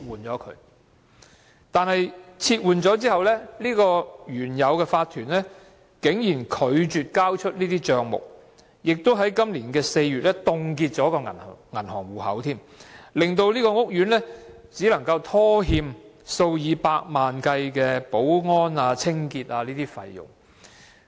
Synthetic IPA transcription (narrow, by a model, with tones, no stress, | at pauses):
wuː˨nt͡ʃɔː˨˥kʰɵ̰˨˧˥ | t̪aː˨nhɐ˨jt͡sʰiː˧t̚wuː˨nt͡ʃɔː˨˥t͡siː˥hɐ˨wlɛː˥liː˥kɔː˧jyː˨˩njɐ˨˧wkɛː˧faː˧t̪ʰyː˨˩nlɛː˥ | kɪ˨˥ŋjiː˨˩nkʰɵ˨˧ɥt͡ʃyː˨t̚kaː˥wt͡ʃʰɵ˥t̚liː˥t̪iː˥t͡ʃœː˧ŋmʊ̰˨˩k̚ | jɪ˨k̚t̪o˥wɦɐ˨˥jkɐ˥mliː˨˩nkɛː˧se˧jɥyː˨t̚lɛː˥t̪ʊ˧ŋkiː˧t̚t͡ʃɔː˨˥kɔː˧ŋɐ˨˩n˨˩ŋɐ˨˩nhɔː˨˩ŋwuː˨hɐ̰˨˥wt̪ʰiː˥m | lɪ˨ŋt̪o˧wliː˥kɔː˧ŋʊ˥k̚jyː˨˥nlɛː˥ | t͡siː˨˥lɐ˨˩ŋkɐ˧wt̪ʰɔː˥ɦiː˧m | so˧wjiː˨˧paː˧k̚maː˨nkɐ˧jkɛː˧po˨˥wŋɔː˥naː˧t͡sʰɪ˥ŋkiː˧t̚aː˧liː˥t̪iː˥fɐ˧jjʊ̰˨˩ŋ